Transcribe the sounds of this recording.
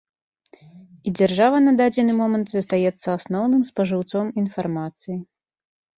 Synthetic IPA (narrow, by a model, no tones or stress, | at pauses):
id͡zʲɛrʐavɐnɐd̪ad͡zʲɛnɨmɔmɐnt̪zɐst̪ajɛt̪sːɐasnɔwnɨmspɐʐɨwt̪sɔminfarmat̪sɨji